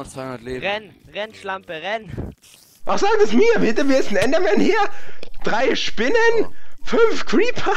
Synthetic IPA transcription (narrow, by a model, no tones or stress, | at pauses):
ʁɛn | ʁɛnʃlampəʁɛn | ʔaχz̥aːk̚tɛsmiːɐbɪtəviɐɪstn̩ɛndəmɛnhiːɐd̥ʁaɪʃpɪnənfʏnfkʰɹiːpʰɐ